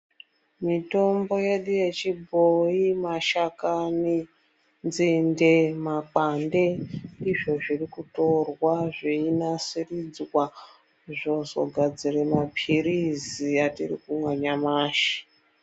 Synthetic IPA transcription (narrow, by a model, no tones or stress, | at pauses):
mito̞mbo̞je̞ɗuje̞t͡ʃibʱoimaʃakani | nzindemak͡pande̞ndiʐo̞ʐirikuto̞rwaʐeinasirid͡zwa | ʐo̞zo̞̰ɡʱad͡ziremapʰiriziatḭrḭkumwaɲamaːʃi̥